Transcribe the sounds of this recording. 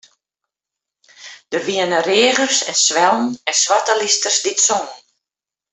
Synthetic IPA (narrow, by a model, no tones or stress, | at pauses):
d̥ərʋiənəreəɣərsɛnsʋɛlˠn̩ɛnsʋatəlistərsditsɔn